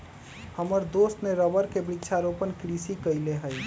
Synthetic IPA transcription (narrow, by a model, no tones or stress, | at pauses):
həməɾd̪ost̪neɾəbəɾkebikt͡ʃʰaɾopənkɾisikəjleɦəj